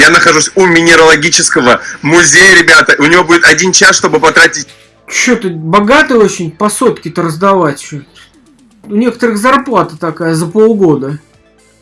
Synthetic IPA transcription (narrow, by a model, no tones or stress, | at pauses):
janəxɐʐusʲumʲɪnʲɪɾəlˠɐɡʲit͡ɕɪskəvəmʊzʲejəɾʲɪbʲat̪əʔʊnʲɪvo̞budʲɪt̪ɐdʲint͡ɕasʂt̪o̞bɨpɐt̪ɾatʲɪtʲ | t͡ɕːot̪əbɐɡat̪ɨjo̞t͡ɕɪnʲpɐso̞t̪kʲɪt̪əɾəzd̪ɐvatʲt͡ɕot̪ | ʊnʲe̞kə̥t̪əɾɨxzɐrplˠat̪ət̪ɐkajəzəpolˠɡo̞d̪ə